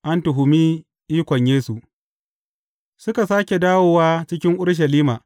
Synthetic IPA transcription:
ʔa˦ntʊ˨ɦʊ˨miː˦ | ʔiː˦kʷɔ˨ɲjeː˦su˨ʔ | sʊ˦ka˨saː˦kʲe˨daː˦woː˨waː˦t͡ʃɪ˦kʲɪ˦ŋʔʊ˦ɽʃ̬ɐ˨liː˦maː˨

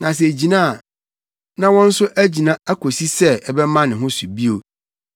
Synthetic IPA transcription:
nã˨s̬ɛ˨d͡ʑi˨nã˦˨ | nã˦wɔ̃˦n̩˦sʊ˦ʔæ˦d͡ʑi˨nã˦æ˦kʰo˨si˦sɛ˦ɛ˨bɛ˦mã˦nɪ̃˨ɦʊ̃˦su˨bi˦o˨

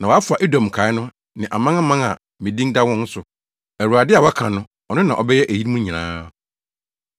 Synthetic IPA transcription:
nã˨wɔ˨˦a˦fʊ˨a˨ʔe˦dɔ̃˨m˨kʰa˨˦ɪ˦nʊ̃˦ | nɪ̃˨ʔa˨mã˦a˦mã˦na̰˨ | mɪ̃˨dĩ˦ŋda˦wɔ̃˦n̩˦sʊ˨ | æ˨ɾu˨a˨dɪ˦a˨wɔ˦kʰã˨nʊ̃˦ | ɔ˨nʊ̃˦nã˨ʔɔ̰˨bɛ˦jɛ˦ʔæ˨ji˦ɾmũ˦ɲĩ˨nã̰ː˦

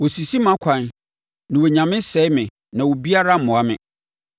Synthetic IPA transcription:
wo˨si˨si˦mã˦kʷʰã˨n | nɪ̃˨wo˨ɲã˨mɪ̃˦sɛ˦mɪ̃˨ | nã˨wo˨bi˦a˦ɾa˦m̩˨mʊ̃˨a˦mɪ̰̃˨

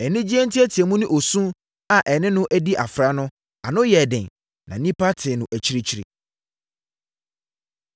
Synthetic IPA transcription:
ɛ˨nɪ̃˦d͡ʑi˦ɛ˦n̩˦tʰɪ˦ɛ˦tʰɪ˨ɛ˨mũ˦nʊ̃˦ʔo˨sũ˦ | a˨ʔɛ˨nɪ̃˦nʊ̃˦ʔæ˦di˦ʔa˨fɾa˦nʊ̃˦ | a˨nʊ̃˦jɛ˨dɪ̃˨ | nã̰˨˦nĩ˦pʰa˦tʰɪ˨nʊ̃˨ʔæ˨t͡ɕʰi˦ɾi˦t͡ɕʰi˦ɾḭ˨

